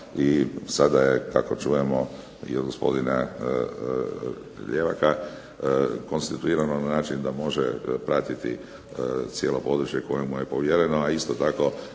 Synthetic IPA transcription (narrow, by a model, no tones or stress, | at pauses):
isad̪aje̞ka̰ko̞t͡ʃuːje̞mo̞ | ḭod̪ɡo̞spo̞̰d̪ina | ʎe̞ʋaka | ko̞nst̪it̪uiːɾanonanaːt͡ʃind̪amo̞ʒepɾat̪it̪ḭ | t̪sje̞ːlo̞po̞d̪ɾut͡ʃje̞ko̞jemuje̞po̞ʋjeɾe̞noaist̪ot̪ako̞